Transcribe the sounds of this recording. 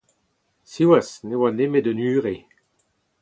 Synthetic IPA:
siwasnewanemed̪ənyːʁe

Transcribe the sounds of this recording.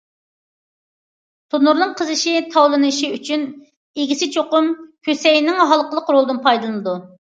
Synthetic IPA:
t̪ʰonuɾnɨŋqʰəzɨʃit̪ʰɑwlˠɨnɨʃiyt͡ʃʰyn | eɡʲisɪt͡ʃʰoqʊmkʲʰøsɛjnɪŋɦɑlˠqəlˠəqɾolˠd̪ɨnpʰɑjd̪ɨlˠɨnɨd̪u

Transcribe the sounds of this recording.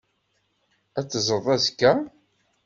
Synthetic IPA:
æt͡sːəzˤəðˤæzkːæ

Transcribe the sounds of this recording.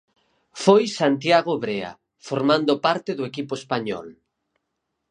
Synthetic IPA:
fojsant̪jaɣ̞oβɾea̰ | foɾmãnd̪opaɾt̪eðoekipoespaɲɔ̰l

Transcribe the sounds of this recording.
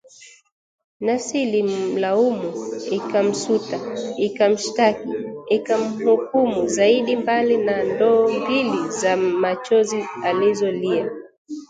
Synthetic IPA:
nasililaumuikam̩sutaikam̩ʃtakiikam̩hukumuzaiɗimbalinandɔːmbilizamat͡ʃɔzializɔlia

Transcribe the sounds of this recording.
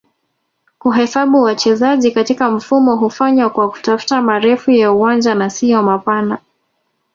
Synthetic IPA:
kuɦɛsaɓuwat͡ʃɛzaʄikatikam̩fumɔɦufaɲwakwaku̥tafu̥tamaɾɛfujauwand͡ʒanasijɔmapana

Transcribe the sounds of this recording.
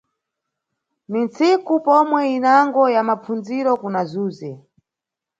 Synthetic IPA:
nint͡sikupɔmwɛinaŋɡɔjamap͡funziɾɔkunazuːzɛ

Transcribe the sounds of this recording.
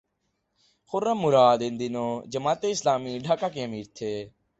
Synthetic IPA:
xʊɾəmːʊɾaːd̪end̪inõːd͡ʒəmaːt̪eːɪslaːmiːɖʱaːkaːk̬ĩəmiːɾt̪ʰeː

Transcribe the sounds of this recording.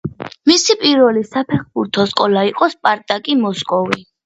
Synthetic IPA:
misipʼiɾvɛlisapʰɛχbuɾt̪ʰɔskʼɔlaiqʼɔspʼaɾt̪ʼakʼimɔskʼɔvi

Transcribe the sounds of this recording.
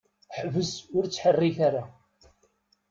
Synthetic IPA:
ħvəsʊɾt͡sːħərːiθaɾa

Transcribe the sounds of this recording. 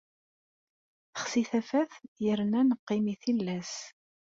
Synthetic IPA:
θə̥χsiθæfæθjəɾnænəqːimiθilːæs

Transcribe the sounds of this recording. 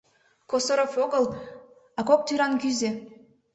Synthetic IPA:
kosoɾofoɡɤ̆lˠ | ɑkok̚t̪yɾɑnkʲyze

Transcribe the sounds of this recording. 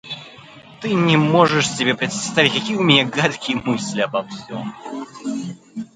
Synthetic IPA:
t̪ɨnʲɛmɔʐɨʂsʲɪbʲɛpɾʲɛt̪sst̪avʲitʲkɐkʲijumʲɛnʲɛɡat̪kʲijmɨsʲlʲiɐbɐwsʲɔ̰m

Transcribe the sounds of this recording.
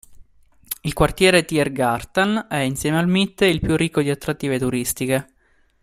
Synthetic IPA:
ilkwart̪jɛːɾet̪iɛrɡart̪anɛinsjɛːmealmit̪ːeilpjurːikːod̪iat̪ːɾat̪ːiːvet̪uɾist̪ike

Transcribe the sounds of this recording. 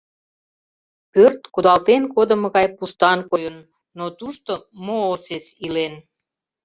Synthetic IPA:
pørt̪kud̪ɑlt̪enkod̪ə̆mɣɑjpust̪ɑnkojənː | ot̪uʃt̪omoːsesilen

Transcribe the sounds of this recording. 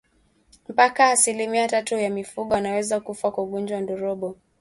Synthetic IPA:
m̩pakaːsilimiaatatujamifuɠɔwanawɛzakufakwauɠund͡ʒwaandɔɾɔɓɔ

